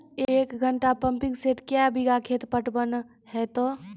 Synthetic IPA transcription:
eeːkɡʱəɳʈapə̃mpɪ̃ŋɡseːʈkjabɪɡakʰeːt̪pəʈbən | hɛt̪oː

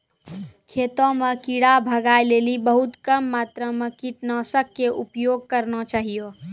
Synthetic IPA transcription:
kʰet̪ɔ̃mekiɽabʱəɡaelelibəɦut̪kəmːat̪ɾəmekiʈnɔsəkːeʔupjoɡ̚kəɾnɔt͡ʃaɦijo

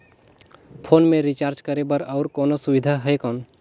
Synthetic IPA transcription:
pʰoːnmẽɾit͡ʃaːɾt͡ʃkəɾebəɾɔʊɾkoːnosʊʋɪd̪ʱaɦəjkɔːn

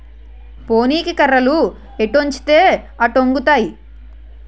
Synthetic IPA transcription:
po̞ːniːkikɐɾːɐlu | eʈːoɲt͡ʃi̥t̪eː | ɐʈoŋɡut̪aːji

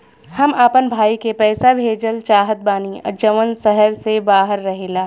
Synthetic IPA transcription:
hɐmaːpənbʱaːikepɛːsabʱeːd͡ʒəlt͡ʃaːɦət̪̚baːniɔ̰ɾd͡ʒɐʋənsɛɦəɾsebaːɦəɾːɐɦeːlaː

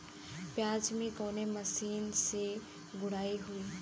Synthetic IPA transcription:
pjaːd͡ʒmẽkoːnemɐsiːnse | ɡʊɽaːiɦuiː

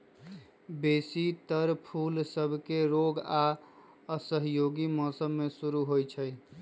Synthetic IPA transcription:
besit̪əɾpʰulsəbʱkeɾoɡa | əsəɦjoɡimɔsəmːesuɾuɦojt͡ʃʰəj

